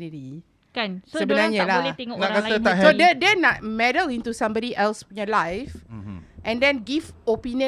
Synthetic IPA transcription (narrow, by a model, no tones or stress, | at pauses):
niɾi | kansəbənaɲalalt̪eŋɔnakaat̪asodɛdɛnaʔ̚mɛdəlĩnt̪usãmbɔɾiʔɛlsĩnjɔlajfʔɛ̃ndɛ̃nɡifopiniə̃